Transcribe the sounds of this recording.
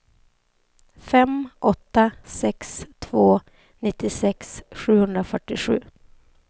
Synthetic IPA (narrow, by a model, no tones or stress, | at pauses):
fɛmʔɔt̪ːasɛkst̪ʰvoː | nɪt̪ːɪsɛksɧʉ̟ːhɵnd̪ɾafœʈːɪɧʉ̟ː